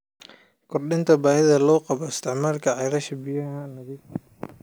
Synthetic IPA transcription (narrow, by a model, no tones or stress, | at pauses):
kʰʊrɗɪnt̪ʰɐbaːhɪðɐlɔːqɑbɔɪst̪ʰɪʕmaːlkʰɐʕajlɐʃɐbɪjɐhanɐɣɪ